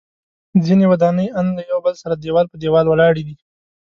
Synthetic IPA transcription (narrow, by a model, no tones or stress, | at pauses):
zinewad̪ɑnəjanlajawbəlsaɾad̪ewɑlpəd̪ewɑlwəlɑɽid̪i